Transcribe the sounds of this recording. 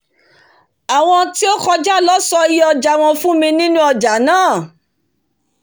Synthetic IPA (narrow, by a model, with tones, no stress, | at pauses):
a˨w̃ɔ̃˧ti˦o˦kɔ˧d͡ʒa˦˨lɔ˦sɔ˧˦i˦ɔ˧d͡ʒa˨w̃ɔ̃˧fũ˦mĩ˧nĩ˦nũ˦ɔ˧d͡ʒa˨˦nãː˦˨